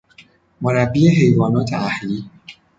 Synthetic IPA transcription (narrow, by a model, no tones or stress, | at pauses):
moɾæbːiːeɦejvɒːnɒːt̪ʰḛæhliː